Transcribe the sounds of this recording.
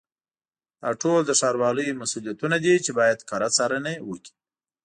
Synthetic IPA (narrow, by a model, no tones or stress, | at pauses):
d̪̥ɑʈold̪əʃɑɾwɑləjmasulijat̪unad̪it͡ʃebɑjad̪kɑɾat͡sɑɾənewəki̥